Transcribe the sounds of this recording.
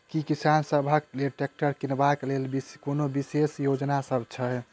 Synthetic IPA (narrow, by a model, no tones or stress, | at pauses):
kikisansəbʱəkleʈek̚ʈəɾkinbaklelbikonobisesjod͡ʒnasəbʱt͡ʃʰə